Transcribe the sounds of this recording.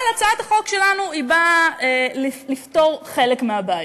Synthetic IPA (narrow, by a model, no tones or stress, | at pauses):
lat͡saat̪aχo̞kʃe̞lanuibaelilifto̞ʁχe̞lekmeabaj